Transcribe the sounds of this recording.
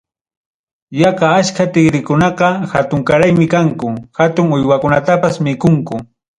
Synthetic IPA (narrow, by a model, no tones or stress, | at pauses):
jakaaskat̪ɪɡɾɪkʊnɑqɑxat̪ʊŋkaɾajmɪkaŋkʊxat̪ʊŋʊjwakʊnat̪apasmɪkʊŋkʊ